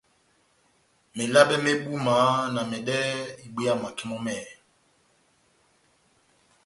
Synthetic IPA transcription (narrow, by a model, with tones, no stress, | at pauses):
me˨la˦bɛ˦me˦ɓu˦ma˨˦na˨mɛ˨ɗɛ˦i˨ɡ͡bi˦a˦˨ma˨ki˦mɔ˦mɛ˦˨